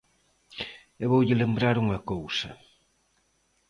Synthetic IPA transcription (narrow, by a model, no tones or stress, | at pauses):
eβowʎɪlembɾaɾuŋɐkowsɐ